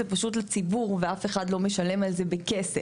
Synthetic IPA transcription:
epaʃutlat͡sibuʁveafeχadlo̞meʃale̞malzebekese

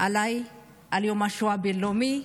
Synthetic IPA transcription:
alaj | aliomaʃoabelomi

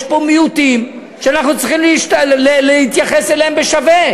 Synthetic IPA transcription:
ʃpomijut̪im | ʃeanaχnut͡siχimleiʃtaleleit̪jaχeselehembeʃave

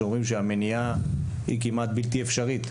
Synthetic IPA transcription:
omʁimʃeamenija | hḭkimat̪bilt̪iefʃaʁit̪

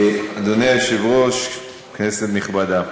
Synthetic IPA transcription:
ad̪onejaʃivʁoʃ | kneset̪niχbad̪a

